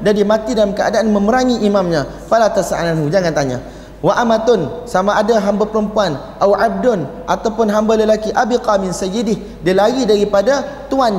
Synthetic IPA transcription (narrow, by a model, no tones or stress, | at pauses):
d͡ʒadimãt̪idalamkəʔa̰daʔanmə̃məɾaŋiʔimãmɲã | falat̪əsaananɦud͡ʒaŋant̪aɲa̰ | waʔamat̪ʊnsamãːdaɦambapəɾəmpuan | ʔawab̚dʊnʔat̪awpʊnɦambaləlakiʔabiqamɪnsajidɪh | dilajidaɾipadat̪uanɲa